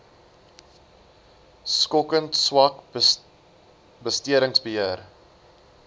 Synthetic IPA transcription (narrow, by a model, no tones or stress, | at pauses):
skɔkəntswɐk | bəstiəɾəŋsbəɦiər